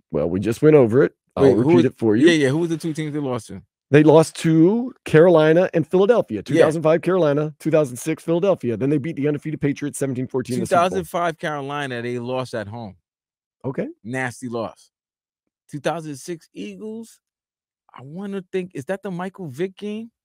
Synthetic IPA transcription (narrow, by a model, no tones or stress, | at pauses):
wɛ̰lˠwḭd͡ʒʌst̚wɛ̃ɾ̃oʊvə˞ɪt̚ | aɪɹɨpiɾɨtfə˞jʉjæjæhuʌzðɨtʰʉtʰĩmzðeɪlɔstɨ | ðeɪlɔstʰʉkʰɛɹəlãɪ̃nəʔɨ̃nfɪlˠədɛlˠfiɨtʰʉθaʊzn̩dfaɪv̥kʰɛɹəlãɪ̃ñətʰʉθaʊz̃n̩dsɪksfɪlˠədɛlˠfiɨðɨ̃nðeɪbit̪̚ðiʌ̃ndə˞fiɾʌv̥pʰeɪt͡ʃɹ̥iɨtsɛvn̩tĩnfɔɹtʰĩnðɨsθaʊz̃n̩faɪv̥kʰɛɹəlãɪ̃nɨðeɪlɔstɨt̚ɦõʊ̃m | ʔoʊkʰeɪnæstilɔ̰s | tʰʉθaʊzɨ̃nsɪksiɡl̩ˠz̥ | ʔaɪwɑ̃nɨθɪ̃ŋkɨzðɨt̪̚ðəmaɪkl̩ˠvɪkɪ̃ŋ